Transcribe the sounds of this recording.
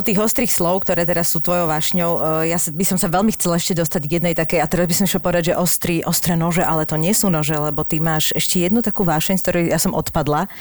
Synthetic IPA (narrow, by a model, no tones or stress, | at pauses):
ɔt̪iːɣɔst̪ɾiːxslɔʊkt̪ɔɾɛːt̪ɛɾasːut̪ʋɔjɔʊʋaːʃɲɔʊjasbisɔmsaʋɛlmixt͡sɛlaɛʃcɛd̪ɔst̪aɟjɛd̪nɛjt̪akɛjat̪ɛɾazbisɔmʃɛlpɔʋɛd̪aɟʒɛʔɔst̪ɾiʔɔst̪ɾɛnɔʒɛʔalɛt̪ɔɲɛsuːnɔʒɛlɛbɔt̪imaːʃɛʃcɛjɛd̪nut̪akuːʋaːʃɛɲkt̪ɔɾɛjasɔmʔɔt̪pad̪la